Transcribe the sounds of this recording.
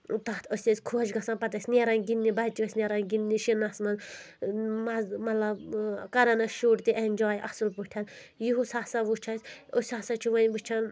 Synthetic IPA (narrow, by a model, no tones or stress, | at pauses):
t̪ɐt̪ʰəsʲɐsʲkʰuɐd͡ʒɡɐsaːnpɐt̪ɐsʲnʲeːɾɐnɡinːibɐt͡ʃːiʋɐsʲnʲeɾɐnɡinːiʃinɐsmɐn | mɐzmɐt̪lɐbkɐɾɐnɐʃuːʈt̪iʔenʲd͡ʒaːjiʔɐ̰sulpuʈʲʰɐnjuɦusaːsɐʋut͡ʃʰɐsʲosʲaːsɐt͡ʃʰiʋɐnʋut͡ʃʰɐn